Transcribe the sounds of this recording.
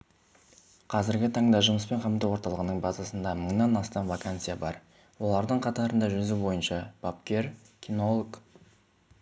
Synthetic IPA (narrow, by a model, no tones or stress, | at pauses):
qʰɑzɪɾɡʲɪt̪ʰɑɴd̪ɑʒʊməspe̞ɴqʰɑmt̪əwo̞ɾt̪ɑlˠəʁənəɴbɑzɑsənd̪ɑməɴnɑnɑst̪ɑnvakant̪sɨjabɑɾ | wo̞lˠɑɾd̪əɴqʰɑt̪ɑɾənd̪ɑʒʏzubo̞jənʃɑb̥ap̚kʲe̞ɾ | kʲʰino̞lˠk